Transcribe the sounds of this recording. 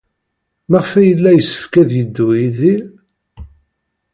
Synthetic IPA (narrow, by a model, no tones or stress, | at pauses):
maʁəfæjəlːæjəsːə̥fkæðjəd̪ːujiði